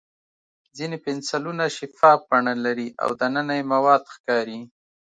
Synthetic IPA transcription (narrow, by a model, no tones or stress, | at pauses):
zinepɪnsalunaʃɪfɑbaɳalaɾiʔa̰wd̪anənajemawɑd̪xkɑɾi